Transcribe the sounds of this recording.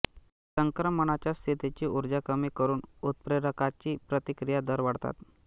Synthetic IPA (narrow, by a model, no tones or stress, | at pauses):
səŋkɾəməɳat͡ɕjast̪ʰit̪it͡ɕiːuɾd͡ʑakəmiːkəɾuːnut̪̚pɾeɾəkat͡ɕiːpɾət̪ikɾijad̪əɾʋaɽt̪a̰t̪